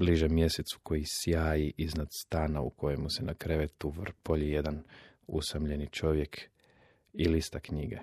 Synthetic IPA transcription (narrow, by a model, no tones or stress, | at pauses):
bliʒemːje̞set̪su̥ko̞jisjaːjiʔiznad̪st̪aːnaṵkʰo̞jemusenakɾeʋet̪uʋrpoʎije̞d̪an | usamʎe̞nit͡ʃo̞ʋje̞k | ilist̪akɲiɡḛ